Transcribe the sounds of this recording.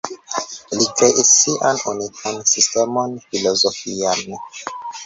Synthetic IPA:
likʰɛʔisiʔãnunikʰɔ̃nsistɛmɔnfilɔzɔfiani

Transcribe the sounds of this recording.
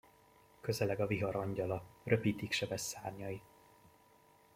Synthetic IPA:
kø̞zɛlɛɡɒviɦɒɾɒɲɟɒlɒrø̞piːt̪ikʃɛbɛsːaːrɲɒi

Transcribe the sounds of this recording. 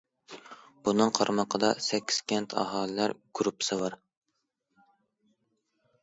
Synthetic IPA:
b̥unɨŋqʰɑɾmɑqʰəd̪ɑsɛkʲʰːi̥skʲʰɛnt̪ʰɑ̰ɦɑːlɨlæɾɡ̥ɾupːɨ̥sɨbɑɾ

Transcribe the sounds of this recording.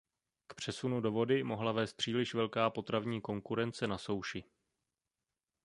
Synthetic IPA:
kpr̝̥ɛsunudo̞vo̞dɪmo̞ɦlavɛːst̪̚pr̝̥iːlɪʃvɛlkaːpo̞t̪ɾavɲiːko̞ŋkuɾɛnt͡sɛnaso̞wʃɪ

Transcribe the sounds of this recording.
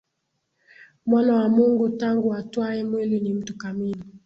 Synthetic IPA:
mwanawamuŋɡutaŋɡuatwaɛmwelinim̩tukamini

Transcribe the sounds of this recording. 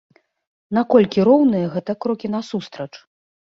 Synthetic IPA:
nakɔlʲkʲiɾɔwnɨjɐɣɛt̪ɐkɾɔkʲinasust̪ɾɐt͡ʂ

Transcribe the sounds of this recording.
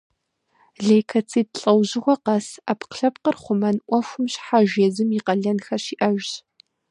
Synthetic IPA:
ɮejkʰɐt͡sʰiːd̚ɬʼɐwʑɪʁʷɔqɐsapqɬɐp̚qərχʷʊmɐnʔʷɔxʷʊmɕħaʒeːzɨmiqɐɮɐnxɐɕiːʔɐʒɕ

